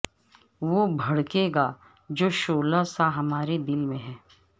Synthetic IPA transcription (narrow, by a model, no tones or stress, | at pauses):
ʋobʱɐɽkeɡa | d͡ʒoːʃoːlasaɦɐmaːɾed̪ɪlmẽɦɛ̃ː